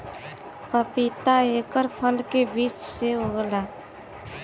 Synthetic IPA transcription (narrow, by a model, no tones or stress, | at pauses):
pəpit̪aekəɾpʰəlkebiːt͡ʃseɦoɡla